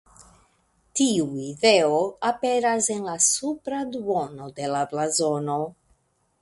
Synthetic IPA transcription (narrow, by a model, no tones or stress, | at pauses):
tiuide̞oape̞ɾase̞nlasupɾaduono̞d̪e̞laplazo̞no̞